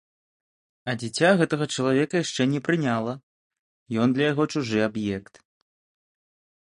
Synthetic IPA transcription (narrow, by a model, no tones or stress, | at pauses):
ɐd͡zʲit͡sʲaɣɛt̪ɐɣɐt͡ʂɐlˠavʲɛkɐjaʂt͡ʂɛnʲɛpɾɨnʲalˠɐ | jɔnd̪lʲɐjaɣɔt͡ʂuʐɨabjɛkt̪